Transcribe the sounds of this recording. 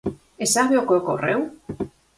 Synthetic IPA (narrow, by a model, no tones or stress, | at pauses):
esaβeokeoko̰rew